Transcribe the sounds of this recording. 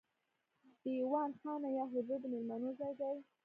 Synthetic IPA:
d̪̥əwɑnxɑnajɑɦʊzud̪əmɪlmanozajd̪aj

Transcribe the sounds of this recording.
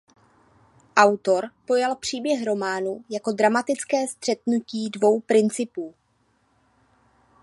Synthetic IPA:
ʔawt̪o̞ɾpo̞jalpr̝̥iːbjɛɦɾo̞maːnujako̞dɾamat̪ɪt͡skɛːst̪r̝̥ɛt̪nuciːdvo̞wpɾɪnt͡sɪpuː

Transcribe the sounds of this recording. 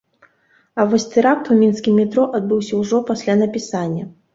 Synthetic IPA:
ɐvɔsʲt̪ɛɾak̚t̪umʲinskʲimːʲit̪ɾɔʔɐd̪̚bɨwsʲɐwʐɔpasʲlʲanɐpʲisanʲːɐ

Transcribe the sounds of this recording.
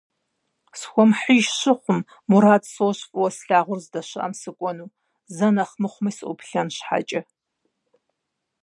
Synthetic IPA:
sxʷɔmħiʃɕɪχʷʊmː | uɾaːdsowɕfʼɨwɐsɬaːʁʷʊrzdɐɕɨʔɐ̰msɨkʷʼɔnuː | zɐnɐχmɨχʷʊmɐsɨʔʷʊ̰pɬɐnɕħa̰t͡ʃʼɐ

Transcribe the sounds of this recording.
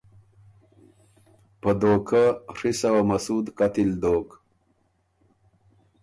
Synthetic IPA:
pəd̪oːkʰaʂisawamɐsud̪kat̪ild̪oːk

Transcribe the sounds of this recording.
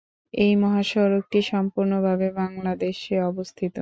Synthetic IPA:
ejmɔɦaʃɔɾok̚ʈiʃɔmpuɾnobʱabebaŋlad̪eʃeɔbost̪ʰit̪o

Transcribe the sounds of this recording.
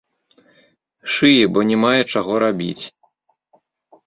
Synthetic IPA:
ʂɨjɛbɔnʲɛmajɛt͡ʂaɣɔɾabʲḭt͡sʲ

